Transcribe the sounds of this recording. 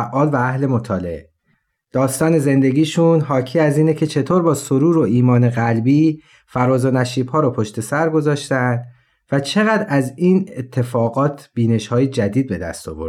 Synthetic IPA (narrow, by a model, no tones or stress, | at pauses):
ʔɒːlvææhle̞mot̪ʰɒːlḛe | d̪̥ɒːst̪ɒːne̞ze̞nd̪e̞ɡiːʃunɦɒːcʰiːæziːnecʰe̞t͡ʃʰe̞t̪ʰoːɾbɒːsoɾuːɾo̞iːmɒːne̞ɣælbiː | fæɾɒːzo̞næʃiːbhɒːɾɔːpʰoʃt̪e̞sæɾɡo̞zɒːʃt̪ænd̪ | væt͡ʃʰe̞ɣæd̪æziːnet̪ʰːe̞fɒːɣɒːt̪ʰb̥iːne̞ʃhɒːjed͡ʒæd̪iːd̪̚be̞d̪æ̰st̪ɒ̰ːboɾd̪̥